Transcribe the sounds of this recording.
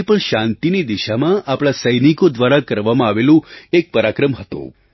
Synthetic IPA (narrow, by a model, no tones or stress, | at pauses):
pəɳʃãnt̪inid̪iʃamãʔapɭ̃asəjnikod̪ʋaɾakəɾʋamãaʋelũek̚pəɾakɾəmɦət̪ṵ̃